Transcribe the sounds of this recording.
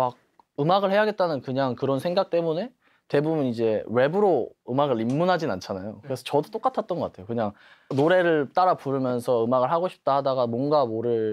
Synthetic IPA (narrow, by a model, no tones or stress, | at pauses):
maɡ̚ | ɯmaɡɯɭhe̞jaɡe̞t̚t͈anɯnkɯɲaŋkɯɾʌnsʰe̞ŋɡak̚t͈e̞mune̞ | te̞bubunid͡ʑe̞we̞bɯɾoɯmaɡɯɭimːunɦad͡ʑinant͡ɕʰanajokɯɾe̞sʰʌt͡ɕʌdot͈ok͈atʰat̚t͈ʌnɡʌk͈atʰe̞jokɯɲaŋ | noɾe̞ɾɯɭt͈aɾapuɾɯmjʌnsʰʌɯmaɡɯɭɦaɡoɕʰi̥p̚t͈aɦadaɡamwʌnɡamoɾɯɭ